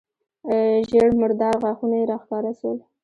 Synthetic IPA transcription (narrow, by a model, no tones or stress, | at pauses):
ʒeɽmʊɾd̪ɑɾɣwɑxunajeɾɑxkɑɾasəl